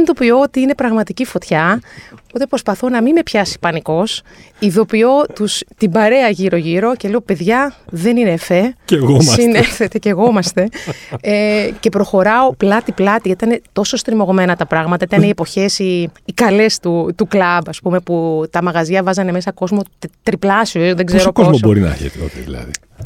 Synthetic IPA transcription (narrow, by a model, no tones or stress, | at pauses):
end̪opioot̪iine̞pɾɐɣmɐt̪icifo̞t̪çɐpot̪e̞pɾo̞spɐθonɐmime̞pçɐsi̥pɐniko̞s | iðo̞pio̞t̪ust̪ibɐɾe̞ɐʝiɾo̞ʝiɾo̞ce̞le̞ope̞ðʝɐðe̞ninefe̞eɣosineθet̪e̞ce̞ɣo̞mɐst̪e̞ece̞pɾo̞xo̞ɾɐo̞plɐt̪iplɐt̪iʝɐt̪ɐinet̪o̞so̞st̪ɾimo̞ɣo̞me̞nɐt̪ɐpɾɐɣmɐt̪ɐit̪ɐneie̞po̞çe̞siːkɐle̞st̪ut̪uklɐbɐspume̞put̪ɐmɐɣɐzɐvɐzɐne̞me̞sɐko̞zmo̞tt̪ɾiplɐsiosðeɡzeɾoozmobo̞ɾinɐ̰ɐ̰çḛt̪eo̰çiðḭlɐ̰ðḭ